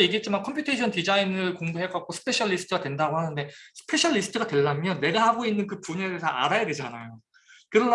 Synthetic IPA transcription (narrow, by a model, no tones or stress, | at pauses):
jeɡit͡ɕ͈imankʰʌmpʰjutʰeɕʰʌntid͡ʑainɯɭkoŋdoɦeɡak̚k͈osʰɯ̥pʰe̞ɕʰʌɭːisʰɯ̥tʰɯɡadwendaɡohanɯnde̞sʰɯ̥pʰe̞ɕʰʌʎːisʰɯ̥tʰɯɡadwe̞ɭːamjʌnːe̞ɡahaɡoinːɯnkɯpuɲe̞de̞sʰʌa̰ɾajade̞d͡ʑanajo | kɯɾʌn